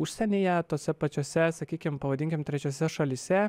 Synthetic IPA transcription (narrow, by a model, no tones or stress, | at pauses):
ʊʃʲsʲɛnʲijɛt̪oːsʲɛpɐt͡ʃʲoːsʲɛsɐkʲiːkʲɪmpɐʋɐd̪ʲɪŋʲkʲɪmt̪ʲɾʲɛt͡ʃʲoːsʲɛʃɐlʲiːsʲɛ